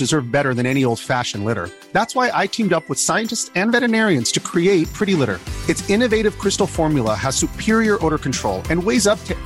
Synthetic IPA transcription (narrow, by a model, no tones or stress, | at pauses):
d̥ɨzɜ˞vbɛɾə˞ðɨ̃ñɛñioʊlˠd̥fæʃɨ̃n̩lɪɾə̰˞ | ðætswaɪʔaɪtʰĩmdʌpwəð̥saɪɨ̃ntɨstsɨ̃nvɛɾɨnɛɹiɨ̃nz̥tʰɨkʰɹ̥ieɪt̚pʰɹ̥ɪɾilɪɾə̰˞ɨtsɪ̃nɨveɪɾɨv̥kʰɹ̥ɪstl̩ˠfɔɹmjl̩ˠəəz̥sʉpʰɪɹiə˞ʔoʊɾə˞kn̩tʰɹ̥oʊlˠɨ̃nweɪzʌp̚tʰɨ